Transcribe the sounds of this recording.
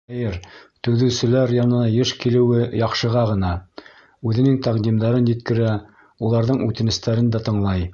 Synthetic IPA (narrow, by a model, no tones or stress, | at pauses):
æjɘɾt̪ɵ̆ðɘ̆wsɘ̆læɾjɑnɤ̆nɑjɤʃkilɘ̆wɘjɑqʃɤ̆ʁɑʁɤ̆n̪ɑ | ʉðɘ̆nɘŋt̪æqd̪imd̪ɑɾɤnjɘ̆t̪̚kɘ̆ɾæ | ulˠɑɾðɤɴʉt̪ɘ̆nɘ̆st̪æɾɘnd̪æt̪ɤ̆ɴlˠɑj